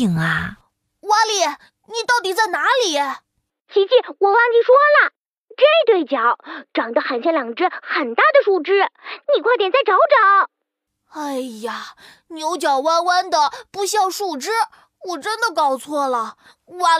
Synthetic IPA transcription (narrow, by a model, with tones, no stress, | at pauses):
ŋa˧ | wa˥nli˨˩ | ni˨˩t̪ɑ˥˩ʊt̪̬i˨˩t͡sa˥˩ɪna˧˥li˨˩˦ | t͡ɕʰi˧˥t͡ɕi˥˩wɔ˨˩wɑ˥˩ŋni˨˩ʂwɔ˥lə˨ | ʈ͡ʂə˥˧t̪we˥˩ɪt͡ɕjɑ˨˩˦ʊʈ͡ʂɑ˨˩ŋt̪xa˧˥nt͡ɕʰɛ˥nljɑ˨˩ŋʈ͡ʂɻ̩˥xə˨˩nt̪a˥˩d̪ə˩ʂu˥˩ʈ͡ʂɻ̩˥ni˨˩kʰwa˥˩t̪jɛ˨˩nt͡sa˥˩ɪʈ͡ʂɑ˧˥ʊʈ͡ʂɑ˨˩˦ŋ | a˥˩ɪa˨˩ | njo˧˥ʊt͡ɕjɑ˨˩ʊwa˥nwa˥nd̪ə˨pu˧˥ɕjɑ˥˧ŋʂu˥˩ʈ͡ʂɻ̩˥ | wɔ˨˩ʈ͡ʂə˥nd̪ə˨kɑ˥˩ʊt͡sʰwɔ˥˩lə˩ | wa˥